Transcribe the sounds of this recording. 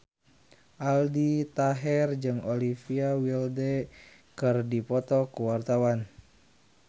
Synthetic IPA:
ʔaldit̪aɦɛrd͡ʒɨŋolifiawildɛ | kɨrdipɔt̪ɔkuwart̪awan

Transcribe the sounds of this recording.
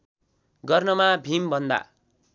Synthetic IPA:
ɡʌrnʌmabʱimbʱʌnd̪a̰

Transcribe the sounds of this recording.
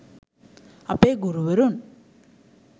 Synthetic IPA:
ɐpːeːɡʊɾuʋɐɾun

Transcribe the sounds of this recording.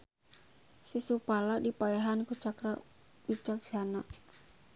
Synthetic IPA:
sisupaladipaeɦankut͡ʃakɾa | bit͡ʃaksana

